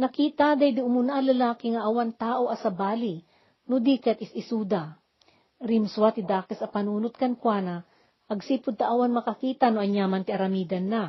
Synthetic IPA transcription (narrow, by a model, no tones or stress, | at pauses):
nɐkiːt̪ɐd̪ɐjd̪iʔʊmʊnaʔɐlɐlaːkɪŋɐʔɐwaŋt̪aːʔoʔɐsɐbaːli | nʊd̪iːkɐt̪ɪsɪsuːd̪ɐ | ɾɪmswat̪ɪd̪aːkɛsɐpɐnuːnʊt̪̚kɐnkwaːnɐ | ʔɐɡsiːpʊd̪̚t̪ɐʔawanmɐkɐkiːt̪ɐnoʔɐɲjaːmɐnt̪ɪʔɐɾɐmiːd̪ɐnːa